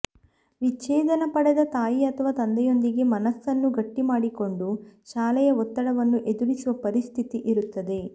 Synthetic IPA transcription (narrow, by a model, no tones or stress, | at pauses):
ʋit͡ʃːɛːd̪ɐnɐpɐɽɛd̪ɐt̪aːjiɐt̪ʰɐʋaːt̪ɐnd̪ɛjo̞nd̪iɡe̞mɐnɐsːɐnːuɡɐʈːimaːɽiko̞ɳɖuʃaːlɛjɐɔt̪ːɐɽɐʋɐnːuʔe̞d̪uɾisuʋɐpɐɾist̪ʰit̪iʔiɾut̪ːɐd̪e̞